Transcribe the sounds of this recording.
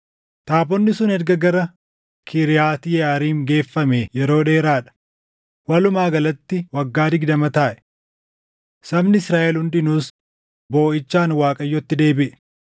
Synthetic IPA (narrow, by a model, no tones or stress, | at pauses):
t̪aːbɔnːɪsʊnɛɾɡɐɡɐɾɐ | kʰɪɾɪjaːt̪ɪjɛaːɾiːŋɡe̞ːfːɐmejɛɾo̞ːᶑeːɾaːᶑɐ̥ | wɐlʊmaːɡɐlɐt̪ːɪwɐɡːaːd̪ɪɡd̪ɐmɐt̪aːʔɛ̥ | sɐbnɪɪsɾaːʔɛlhʊnd̪ɪnuːs | bo̞ːʔɪt͡ʃːaːnwaːkʼɐjːɔt̪ːɪd̪e̞ːbɪʔɛ̥